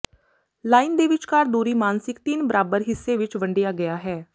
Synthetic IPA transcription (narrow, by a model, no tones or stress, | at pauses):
laːiːnd̪eːʋɪt͡ʃkaːɾd̪uːɾiːmaːnsɪkt̪ɪnbəɾaːbəɾɦɪsːeːʋɪt͡ʃʋəɳɖejaːɡəjaːɦɛː